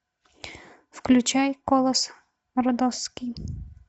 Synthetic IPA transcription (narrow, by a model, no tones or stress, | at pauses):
fklʲʉt͡ɕajkɔlˠɐs | ɾɔd̪ɔskʲij